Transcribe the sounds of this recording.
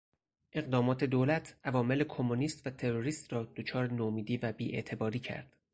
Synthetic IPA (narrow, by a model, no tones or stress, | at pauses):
ʔe̞ɣd̪ɒːmɒːt̪ʰe̞d̪oːlæt̪ʰʔævɒːme̞le̞kʰo̞muniːst̪væt̪ʰe̞ɾoɾiːst̪rɒːd̪ot͡ʃʰɒːɾenoːmiːd̪iːvæbiːʔe̞̰ʔt̪ʰe̞bɒːɾiːcʰæ̰ɾd̪̥